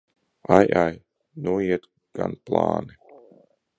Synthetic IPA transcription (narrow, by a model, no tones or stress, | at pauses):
ajaj | nuɔiɛt̪ | ɡ̥anplˠa̰ːni